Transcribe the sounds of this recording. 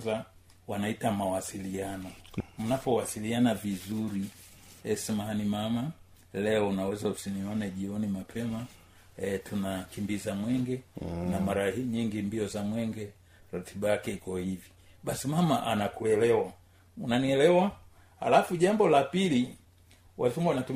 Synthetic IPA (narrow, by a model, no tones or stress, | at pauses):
za | wanaitamawasilianɔm̩napɔwasilianavizuɾi | ɛsɛmaanimama | lɛɔunawɛzausiniɔnɛʄiɔnimapʰɛma | ɛtʰunakimbizamwɛŋɡɛnamaɾahiːɲiŋɡimbiɔzamwɛŋɡɛ | ɾatʰiɓajakɛikɔhivi | ɓasimamaʔanakuɛlɛwa | unaniɛlɛwa | ha̰lafuʄambɔlapili | wazuŋɡwanatu